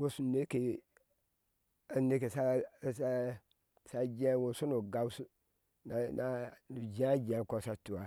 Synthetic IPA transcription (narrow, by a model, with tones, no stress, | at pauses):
wo˦su˨ne˦ke˨ | a˨ne˦ke˨sa˦˨sa˦ | sa˦d͡ʒẽ˦wo˨su˦nu˨ɡa˦wsu˦ | na˨na˦u˨d͡ʒã˦d͡ʒɛ̃˨˦˨ko˦sa˦tu˨a˨